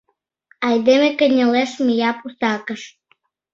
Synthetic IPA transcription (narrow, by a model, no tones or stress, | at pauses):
ɑjd̪emekənʲəleʃmijɑpusɑkəʃ